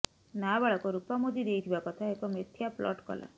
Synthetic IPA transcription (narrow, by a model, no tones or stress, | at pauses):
nabaɭakɔɾupamod̪id̪ejt̪ʰibakɔt̪ʰaekɔmet̪ʰːjaplɔ̰ʈkɔ̰la̰